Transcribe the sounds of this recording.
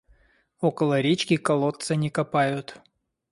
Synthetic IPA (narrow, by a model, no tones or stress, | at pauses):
okəlˠəɾʲet͡ɕkʲɪkɐlˠot̪sənʲɪkɐpajʊt̪